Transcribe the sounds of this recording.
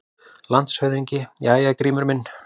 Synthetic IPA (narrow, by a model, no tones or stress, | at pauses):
lant̪shœɥðiɲcɪjaːjakɾiːmʏɾmɪnː